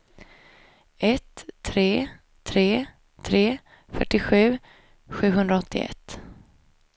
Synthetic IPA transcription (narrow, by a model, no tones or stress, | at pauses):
ʔɛt̪ʰːɾeː | t̪ʰɾeː | t̪ʰɾeː | fœʈːɪɧʉ̟ː | ɧʉ̟ːɦɵnd̪ɾaɔt̪ʰːɪ̰ɛ̰t̪ː